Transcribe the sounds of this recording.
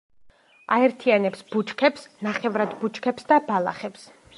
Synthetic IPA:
aɛɾt̪ʰianɛpsb̥ut͡ʃʰkʰɛpsnaχɛvɾad̪but͡ʃʰʼkʰɛpsd̪abalˠa̰χɛps

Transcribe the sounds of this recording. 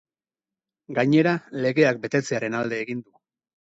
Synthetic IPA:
ɡaɲe̞ɾale̞ɣe̞ak̚be̞t̪e̞t͡se̞aɾe̞nald̪e̞ːɣind̪u

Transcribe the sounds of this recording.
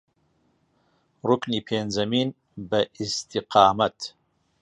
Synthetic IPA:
rʊkniːpʰeːnzɐmiːn | bɐʔist̪iqɑːmɐt̪

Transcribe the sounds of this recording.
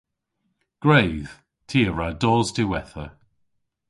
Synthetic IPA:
ɡ̥ɹejð̥ | tʰiːəɹadɔːzdɪwɛθə

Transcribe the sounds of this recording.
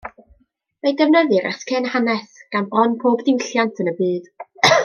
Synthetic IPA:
medɛvnəðɨɾɛ̰skʰeːnhanɛsɡ̥anbrɔnpʰoːbdɪwɬjantʰənəbɨːd̥

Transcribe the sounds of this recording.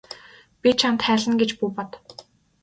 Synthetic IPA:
pʲit͡ɕʰant̪χæːɮə̆nɡet͡ɕpuːpɔt̪

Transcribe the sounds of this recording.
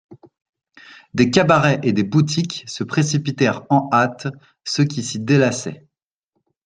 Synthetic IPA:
d̪ekabaʁɛʔed̪ebut̪̬ʰikʲsəpχesipit̪ɛʁɑ̃at̪ | səkʲisid̪elasɛ

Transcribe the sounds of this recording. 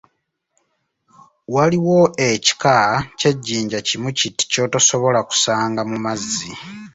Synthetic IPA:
waliwo̞eci̥kace̞ɟːiːɲɟacimuciti̥co̞ːtaso̞βo̞laku̥saːŋɡamumazi

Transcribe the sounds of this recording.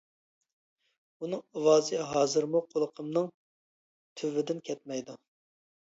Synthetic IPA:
unɨŋɑwɑːzɨɦɑːzɨɾmuqʰolˠəqʰəmnɨŋ | t̪ʰyvɪd̪ɪnkʲʰɛt̪̚mɛjd̪u

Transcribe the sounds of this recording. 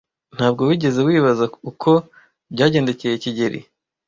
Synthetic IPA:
n̥haːb̚ɡo̞wiːɟe̞ze̞wiːβazaukʰo̞ | bɟaːɟe̞ːnde̞ce̞je̞ciɟeɾḭ

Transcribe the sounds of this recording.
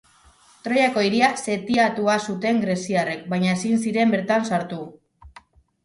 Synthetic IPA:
t̪ɾo̞jako̞iɾiase̞t̪iat̪uasut̪e̞ŋɡɾe̞siare̞k̚bajɲaesinsiɾe̞mbe̞ɾt̪ansaɾt̪u

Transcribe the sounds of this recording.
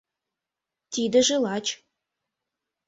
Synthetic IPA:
t̪id̪ə̆ʒelɑt͡ɕ

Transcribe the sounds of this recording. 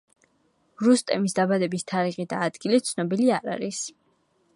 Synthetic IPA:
ɾust̪ʼɛmisd̪abad̪ɛbist̪ʰaɾiʁid̪aːd̪ɡilit̪sʰnɔbiliaɾa̰ɾis

